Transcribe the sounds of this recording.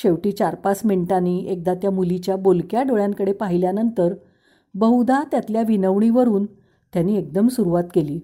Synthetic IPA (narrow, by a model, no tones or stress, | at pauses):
ɕeʋʈiːt͡ɕaɾpasmeɳʈaniːek̚d̪at̪jamulit͡ɕjabolkjaɖoɭjaŋkəɽepaɦiljanənt̪əɾ | bəɦud̪ʱat̪jat̪ljaʋinəʋɳiʋəɾuːn | t̪janːiːek̚d̪əmsuɾuʋat̪keliː